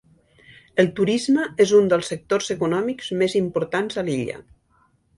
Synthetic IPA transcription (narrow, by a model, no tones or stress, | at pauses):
əlˠt̪uɾizməezund̪əlˠsːək̚t̪ozəkunɔmikzmezimpuɾt̪anzəliʎə̰